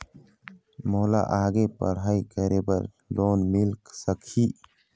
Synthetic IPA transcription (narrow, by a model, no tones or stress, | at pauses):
moːla̰ʔaːɡepə̰ɽ̤aːikəɾebəɾ | loːnmɪlksəkʰiː